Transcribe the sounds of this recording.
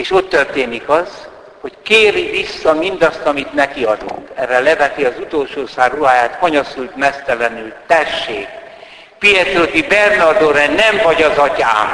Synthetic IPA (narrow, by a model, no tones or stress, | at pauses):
eːʃo̞t̪ːørt̪eːnikɒz | ho̞ckeːɾivisːɒmind̪ɒst̪ɒmit̪nɛkiɒd̪ṵŋkɛrːɛlɛvɛt̪iɒzut̪olʃoːsaːrːuɦaːjaːt̪fɒɲosult̪mɛst̪ɛlɛnylt̪ɛʃːeːk | pijɛt̪ot̪ibɛrnɒrd̪oɾɛnɛɱvɒɟɒzɒca̰ːm